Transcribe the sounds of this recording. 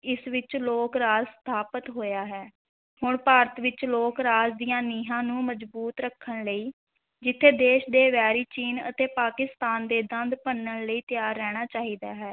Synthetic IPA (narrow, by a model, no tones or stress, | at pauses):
ɪsʋɪt͡ʃloːkɾaːzst̪ʰaːpət̪ɦoːjaːɦɛː | hʊɳpaːɾət̪ʋɪt͡ʃloːkɾaːd͡ʒd̪ijãːniːɦãːnũːməd͡ʒbuːt̪ɾəkʰːəɳləiː | d͡ʒɪt̪ʰːeːd̪eːʃd̪eːʋɛːɾiːt͡ʃiːnə̰t̪eːpaːkɪst̪aːnd̪eːd̪ənd̪pənːəɳləiːt̪ɪjaːɾːɛːɽ̃aːt͡ʃaːɦiːd̪aːɦɛː